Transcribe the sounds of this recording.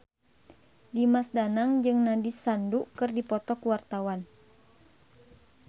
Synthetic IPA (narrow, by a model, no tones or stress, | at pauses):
dimasdanaŋd͡ʒɨŋnadisandukɨrdipɔt̪ɔkuwart̪awan